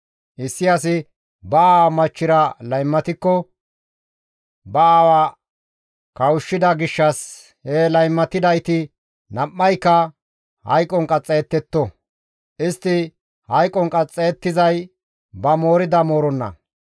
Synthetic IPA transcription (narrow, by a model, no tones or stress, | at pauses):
ʔɪsːɪjas̬ɪ | bɐaːwɐmɐt͡ʃːɪɾɐlɐjmːɐt̪ɪkːɔ | bɐawɐ | kɐwʊʃːɪd̪ɐɡɪʃːɐs | helɐjmːɐt̪ːɪd̪ɐjt̪ɪ | nɐmːɐjkːɐ | hɐ̰jkʼɔŋkʼɐt͡sʼːɛjːt̪ːɛt̪ːɔ | ʔɪst̪ːɪ | hɐjkʼɔŋkʼɐt͡sʼːɛɛt̪ːɪzɐj | bɐmo̞ːɾɪd̪ɐmo̞ːɾɔnːɐ̰